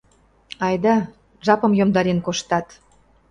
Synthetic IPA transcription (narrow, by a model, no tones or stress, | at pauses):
ɑjd̪ɑ | ʒɑpɤ̆mjomd̪ɑɾenkoʃt̪ɑt̪